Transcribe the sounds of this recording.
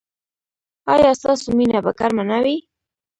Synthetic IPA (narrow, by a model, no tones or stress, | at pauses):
ajast̪asʊminabakaɾmanawi